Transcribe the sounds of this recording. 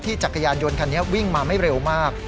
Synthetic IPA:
t̪ʰiː˥˩t͡ɕa˨˩kʰa˧jaː˧njo˧nkʰa˧nːi˦˥ɐwi˥˩ŋmaː˧ma˥˩jɾe˧wmaː˥˩k̚

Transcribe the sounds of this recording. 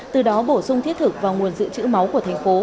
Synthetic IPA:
t̪ɨ˨˩ɗɔ˨˦ɓo˧˩sʊ˧ŋ͡mt̪i˦˥t̚t̪ʰɨ˨˩k̚vaː˨˩wŋu˨˩ənzɨ̰˧˨t͡ɕɨ̰˧˥ma˨˦wku˧˩ət̪ʰa˨˩ŋ̟fo˨˦

